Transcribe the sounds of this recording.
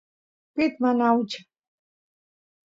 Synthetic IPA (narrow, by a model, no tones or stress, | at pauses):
pit̪manawt͡ʃʰ